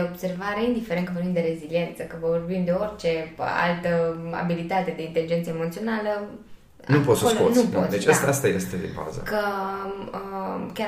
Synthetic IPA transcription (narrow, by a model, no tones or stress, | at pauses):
eobse̞rvaɾeind̪ifeɾenkəvorbimd̪e̞ɾe̞zilie̞nt̪səkəvovorbimd̪e̞o̞rʲt͡ʃe̞a̰lt̪əa̰bilit̪at̪e̞d̪e̞int̪elid͡ʒent̪səemo̞t̪sio̞nalə | nupot̪soosloonupot̪sd̪et͡ʃast̪ast̪ajḛst̪ed̪eba̰zə̰kə | əkʲa